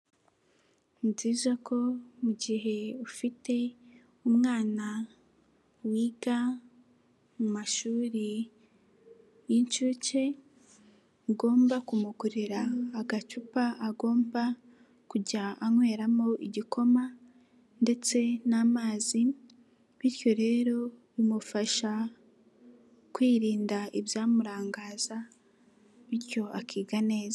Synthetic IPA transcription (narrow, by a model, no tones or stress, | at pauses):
mziːzako̞muɟiɦe̞ufite̞ | umŋaːna | wiːɡa | mumaʃuːɾi | jiɲt͡ʃuːce̞ | ɡo̞ːmbakumukuɾiɾaːɡat͡ʃupaaɡo̞ːmba | kuɟaːŋwe̞ːɾamo̞ʔiɟikʰo̞ma | nde̞t͡se̞naːmaːzi | βiɾjo̞ɾe̞ːɾo̞βimufaʃa | kwiːɾiːndaiβjaːmuɾaːŋɡaːza | βiɾjo̞akiːɡane̞ːza